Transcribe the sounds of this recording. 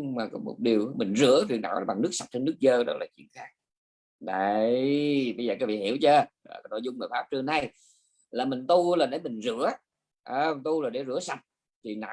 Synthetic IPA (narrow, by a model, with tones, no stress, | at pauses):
maː˨˩kɔ˨˦mo̰˨˩t̚ɗi˨˩əwmï˨˩ŋ̟zɨ̰˧˥əwi˧˨nɗa̰ː˧˥wɓa˨˩ŋnɨ˦˥k̚sa˨˩p̚t͡ɕe˧nɨ˦˥ək̚zəː˧ɗə̰˦˥t̚laː˨˩t͡ɕwḭ˧˨ənxaː˦˥k̚ | ɗə˧˦jɓə˧zəː˨˩kaː˦˥kvi˧˨hi˧˩əwt͡ɕəː˧ɗːnɔ˧˨˩jzʊ˧ŋ͡mnəː˨˩faː˦˥p̚t͡ɕɨ˧əŋna˧j | laː˨˩mï˨˩ŋ̟t̪u˧laː˨˩ɗe˨˦mï˨˩ŋ̟zɨ̰˧˥ə | ʔəː˧˩˨t̪u˧laː˨˩ɗe˧˩zɨ̰˧˥əsa˨˩p̚ | t̪ʰi˨˩na̰ː˧˨˦